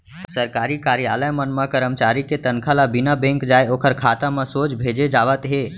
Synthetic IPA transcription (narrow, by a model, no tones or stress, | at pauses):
səɾkaːɾikaːɾijaləjmənmẽkəɾəmt͡ʃaɾiket̪ənkʰalabinabẽŋkd͡ʒaːeokʰəɾkʰat̪amẽsoːt͡ʃbʱed͡ʒed͡ʒaːʋət̪ɦe